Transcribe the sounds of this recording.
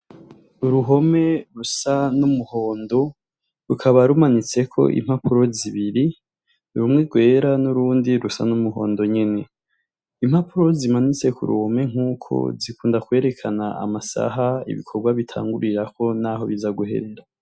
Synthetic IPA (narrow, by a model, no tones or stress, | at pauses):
uɾuɦo̞me̞ɾusanumuho̞ːndo̞ | ɾukʰaβaɾumanit͡se̞kʰo̞̰ʔḭm̥hapuɾo̞ziβiɾi | uɾumŋeɡwe̞ːɾanuɾuːndiɾusa̰numuɦo̞̰ːndo̞ɲene̞ | im̥hapuɾo̞zimanit͡se̞kṵɾṵho̞me̞ŋ̥uːkʰo̞̰zikuːndakwe̞ːɾe̞kʰanaa̰masa̰ɦaḭβḭkʰoɾɡwaβitʰa̰ːŋɡuɾiɾakʰo̞naːɦo̞βizaɡuhe̞̰ɾe̞ɾa